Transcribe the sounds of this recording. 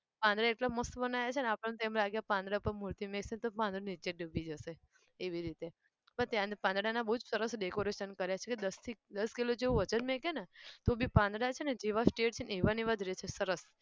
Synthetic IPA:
pãnd̪ɽaeʈlaməst̪bənajat͡ʃʰenapɽant̪emlaɡjapãnd̪ɽapəɳmuɾt̪imeksent̪opãnd̪ɾanit͡ʃeɖəbʱid͡ʒəseː | ʋiɾit̪e | pəɳt̪jãpãnd̪ɽanabəɦud͡ʒsəɾəsɖekoɾeʃənkəɾjat͡ʃʰeked̪əst̪ʰid̪əskilod͡ʒeũʋət͡ʃənmekenet̪obipãnd̪ɽat͡ʃʰened͡ʒeʋasʈeʈ̚t͡ʃʰeneʋaniʋad̪ʱɾet͡ʃʰesəɾəs

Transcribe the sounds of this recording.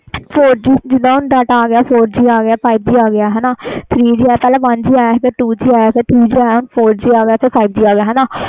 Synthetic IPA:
pʰoːɾd͡ʒiːd͡ʒɪd̪ãːʊnɖ̪əʈaːɡɪjaːpʰoːɾd͡ʒiːaːɡɪjaːpʰaːib̚d͡ʒiːaːɡɪjaːɦɛːnaːt̪ʰɾiːd͡ʒiːɛːpɛːlaːʋãnd͡ʒiːaːjaɦk̪eʈuːd͡ʒiːaːjaset̪ʰɾiːd͡ʒiaːʊnpʰoːɾd͡ʒiːaːɡɪjaːt̪ʰepʰaːibd͡ʒiːaːɡjaɦɛːnaː

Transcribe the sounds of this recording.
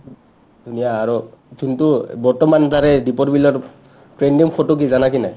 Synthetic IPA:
dʱunijaːɹutuntubɔɹtɔmantaɹɛdipɔtbilɔɹ | pɹendiŋkʰɔtuk̬izanakinaj

